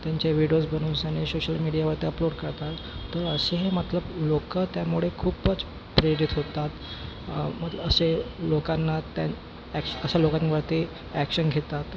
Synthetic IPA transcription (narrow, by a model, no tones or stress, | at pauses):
t̪jaɲt͡ɕaʋiɽijosbəñuːnsanesoɕəlmiɽijaʋəɾt̪eəploɽkəɾt̪at̪ː | əɾəseɦemət̪ləblokət̪jamuɭ̤ekʰuːpət͡s | pɾeɽit̪ɦot̪at̪ | mət̪ləbəselokanːat̪a | ækəəɕalokanʋəɾt̪e | ækɕənɡʱet̪at̪